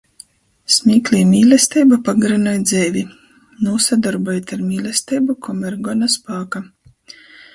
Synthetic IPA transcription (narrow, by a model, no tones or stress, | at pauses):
smʲiːklʲiːmʲiːlʲɛst̪ɛjbapaɡɾanɔjd̪zʲɛːvʲi | nuːsad̪ɔɾbɔjet̪ʲaɾmʲiːlʲɛst̪ɛjbukʰɔmɛɾɡɔnaspaːka